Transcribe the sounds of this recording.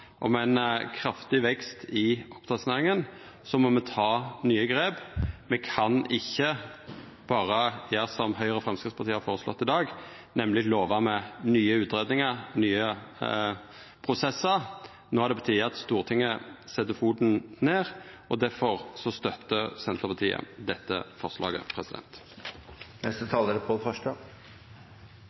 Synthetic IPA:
ʔɔ̰mɛɛnkʰɾɑft̪ɪʋɛkst̪ɪɔpt̪ʰɑt̪sneːʁɪŋən | sɔmɔmɛt̪ʰɑːnyːəɡɾeːbmɛkʰɑnɪçːə | b̥ɑːɾəjæːʁsɔmhœʏʁəfɾɛmskɪfspʰɑʁt̪ʰiːəhɑɾfoːʁəslɔ̰t̪ːɪd̪ɑːɡ | nɛmlɪloːʋɑmɛnyːəʉːt̪ɾeːd̪nɪŋəʁnyːə | pʰʁʊsɛsːəɾ | noːhɑɾd̪ɛbət̪ʰyːɑt̪st̪uːʁt̪ʰɪŋːəsɛt̪ːəfuːd̪n̩neːʁ | ɔd̪æɾfɔʁsɔst̪œt̪ːəsɛnt̪əpɑt̪ʰiːə̰d̪ɛt̪ːə̰fɔʁslɑ̰ːɡə̰pʰʁɛsɪd̪ɛ̰nt̪ | nɛst̪ət̪ʰɑːləɾəpʰɔd̪fœʂʈə

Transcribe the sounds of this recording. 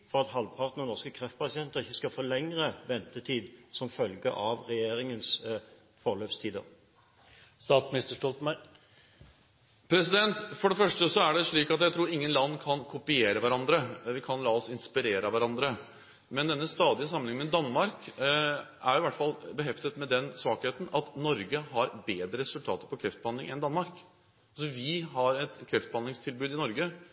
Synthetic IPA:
fɔʁɑt̪hɑlʋpʰɑʁt̪nənɔʁskəkʰʁɛft̪̚pʰɑsɪɛnt̪əʁɪçːəskɑfɔːlɛŋʁəʋɛnt̪ət̪ʰiːd̪sɔmfœlɡə̰ʔɑʋʁɛjeːʁɪŋəns | fɔʁløːpst̪ʰiːd̪ə̰ʁ | st̪ɑːt̪smɪnɪst̪əʂʈɔlt̪mæ | pʰɾɛsɪd̪ɛnt̪fɔɖɛfœʂʈəsɔæɖɛʂɭiːkɑt̪jæɪt̪ʰɾuːɾɪŋːənlɑnːkʰɑnkʰʊpɪeːɾəʋæɾɑnd̪ɾəʋɪkʰɑnlɑːɔsɪnspɪɾeːɾɑʋæɾɑnd̪ɾə | mɛnd̪ɛnːəst̪ɑːd̪ɪəs̬ɑmənɪŋəmɛd̪ɑnmɑɾk | ʔæɾjʊʋæʈːfɑlːbəɦɛft̪ət̪mɛd̪ɛnsʋɑːkheːt̪n̩ɑt̪nɔɾɡəɦɑɾbeːd̪ɾəɾɛsʉlt̪ʰɑ̰ːt̪əɾpɔkʰɾɛft̪̚bəhɑnd̪ɪŋɛnd̪ɑnmɑɾk | ɑlsɔʋɪɦɑɾɛt̪kʰɾɛft̪̚bəhɑnlɪŋst̪ʰɪlbʉːd̪ɪnɔɾɡə

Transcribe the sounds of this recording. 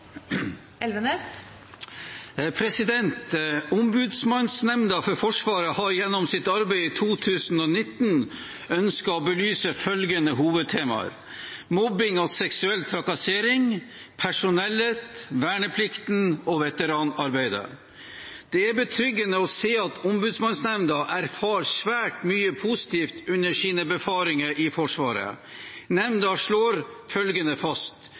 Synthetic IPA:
ɛlʋənɛst̪ | pʰɾɛsɪd̪ɛnt̪ʊmbʉːd̪smɑnsnɛmnd̪ɑfɔɾfɔʂʋɑːɾəhɑɾjɛnːɔmsɪt̪ɑɾbæɪɪt̪ʰuːt̪ʰʉːsn̩ɔːnɪt̪n | œnskɑɔbəlyːsəfœlɡənəhuːʋəd̪̚t̪ʰeːmɑ̰ɾ | mɔbɪŋɔsɛksʉɛlt̪ʰɾɑkɑseːɾɪŋpʰæʂʊnɛleːt̪ʋæːɳəpʰlɪkt̪n̩ɔʋɛt̪əɾɑːnɑɾbæɪd̪ə̰ | d̪̥ɛæɾbət̪ʰɾʏɡːənəɔseːɑt̪ʰɔmbʉd̪smɑnsnɛmnd̪ɑʔæɾfɑːɾsʋæːʈmyːəpʰusɪ̥t̪iːft̪ʉnːəʂiːnəbəfɑːɾɪŋəɾʔɪfɔʂʋɑ̰ːɾə̰ | nɛmnd̪ɑʂɭoːɾfœlɡənəfɑst̪

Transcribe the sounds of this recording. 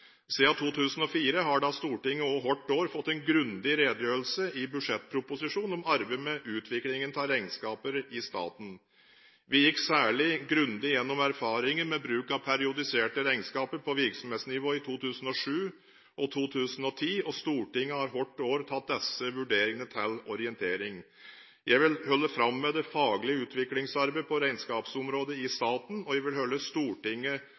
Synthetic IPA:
siːɑt̪ʰuːt̪ʰʉːsən̩ɔfiːɾəɦɑɖɑst̪uːʈɪŋːəɔɦɔʈːoːɾfɔt̪ːɛnɡɾʉnd̪ɪɾeːd̪jøːlsəɪbʉʂɛt̪̚ːpʰɾʊpʊsɪʂuːnɔmɑɾbemɛʔʉːt̪ʰʋɪklɪŋənt̪ʰɑɾæɪnskɑːpəɾɪst̪ɑ̰ːt̪n̩ | ʋɪjɪksæːɭɪɡɾʉnd̪ɪjɛnːɔmæɾfɑːɾɪŋənmɛbɾʉːkɑʋpʰæɾɪʊd̪ɪseːʈəɾæɪnskɑːpəɾpʰɔʋɪɾksɔmheːt̪snɪʋoːɪt̪ʰuːt̪ʰʉːsən̩ɔʂʉː | ʔɔt̪ʰuːt̪ʰʉːsən̩ɔt̪ʰiːɔst̪uːʈɪŋːəhɑɾɦɔʈːoːɾt̪ʰɑt̪̚d̪ɛsːəʋʉɖeːɾɪŋənət̪ʰɛlɔɾɪɛnt̪ʰeːɾɪŋ | jʔæɪʋɪlhœlːəfɾɑmːɛd̪ɛfɑːɡlɪəʉːt̪ʰʋɪklɪŋsɑɾbəpɔɾæɪnskɑːpsɔmɾoːd̪əɪst̪ɑːt̪n̩ɔʋæʋɪlhœlːəst̪uːʈɪŋːə

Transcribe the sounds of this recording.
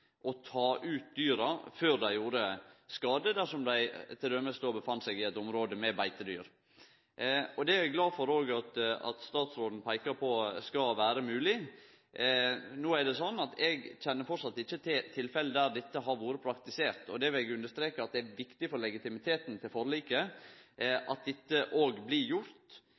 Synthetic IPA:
ʔɔt̪ʰɑːʔʉːt̪̚d̪yːɾɑføːɾd̪æɪjuːɾəskɑːd̪əd̪æʂɔmd̪æɪt̪ʰɪld̪œmːəst̪oːbəfɑnt̪sɛɡɪɛt̪ɔmɾoːd̪əmɛbæɪt̪əd̪y̰ːɾ | ɔd̪ɛæɾɛɡlɑːfɔɾoːɡɑt̪ɑ̰t̪st̪ɑːt̪sɾoːd̪n̩pʰæɪkɑpʰɔskɑʋæːɾəmʉːlɪ | noːæɾɖɛsɔnːɑt̪ɛɡc͡çɛnːəɾfɔsɑt̪ːɪçːət̪ʰɪlfɛləd̪æɾd̪ɪt̪ːəɦɑɾʋoːɾəpʰɾɑkt̪ɪseːɾt̪ɔd̪ɛʋɪlɛɡʉnd̪əɾʂt̪ɾeːkəɑt̪̚d̪ɛæɾʋɪkt̪ɪfɔɾlɛɡɪt̪ɪmɪt̪ʰeːt̪nt̪ʰɪlfɔɾliːkə | ʔɑt̪̚d̪ɪt̪ːəʔoːɡblɪjʊɾt̪

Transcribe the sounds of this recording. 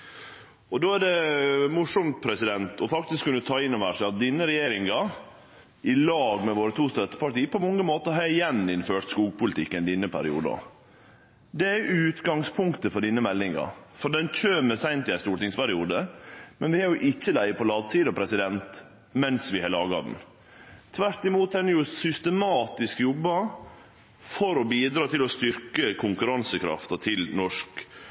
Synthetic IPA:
ɔd̪oːæɖɛmʊʂɔmt̪̚pʰɾɛsɪd̪ɛnt̪ʰɔfɑkt̪ɪskʰːʉnːət̪ʰɑːɪnːɔʋæːʂæɪɑt̪̚d̪ɪnəɾɛjeːɾɪŋɑ | ʔɪlɑːɡmɛʋoːɾət̪ʰuːst̪œt̪ːə̥pɑʈiːəpʰɔmɔŋːəmoːt̪əɦɑɾɪjɛnːɪnføːʈskuːɡ̚pʰʊlɪt̪ʰɪkːɛnd̪ɪnːəpʰæ̰ɾɪṵːd̪ə̰ | d̪ɛæʉːt̪ɡɑŋspʰʊŋkt̪əfɔɖiːnəmɛlːɪŋɑ̰fɔɖɛnc͡çʰøːmɛsæɪnt̪ɪæst̪uːʈɪŋspæɾɪuːd̪əmɛnʋɪhɑɾjʊʔɪçːəlæɪpʰɔlɑːd̪siːd̪ɑpʰɾɛsɪd̪ɛnt̪ | mɛnsʋɪhɑlɑːɡɑ̰d̪n̩ | t̪ʰʋæɾt̪ɪmuːt̪ɛnjʊsʏst̪əmɑːt̪ɪskjɔbːɑ | fɔɾɔbiːd̪ɾɑːt̪ʰɪlɔst̪ʏɾkəkʰʊŋkʉɾɑnsəkʰɾɑ̰ft̪ɑt̪ʰɪlnɔʂk

